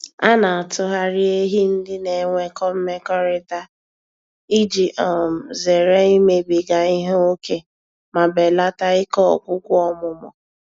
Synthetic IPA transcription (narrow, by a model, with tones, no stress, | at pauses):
a˦na˨a˨tʊ˦ɦa˦ɾɪ˦e˦ɦi˦n̩˦dɪ˦ne˨˦ŋʷe˦kɔ˦m̩˦me˦kɔ˦ɾɪ˦ta˦ | i˦d͡ʒi˨ʔɔ˨m̩˨ze˨ɾe˦i˦me˦bi˨ɡa˨i˦ɦo˦o˦ke˦ | ma˨be˨la˦ta˦ɪ˦kɔ̰˦˨kʷʊ˦kʷʊ˦ɔ˦mʊ˨mɔ̰˨